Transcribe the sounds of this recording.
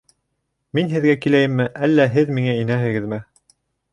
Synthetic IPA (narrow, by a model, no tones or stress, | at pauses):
minɦɘ̆ðɡækilæjɘmːɘʔælːæɦɘðmiŋæinæɦɘ̆ɡɘ̆ðmɘ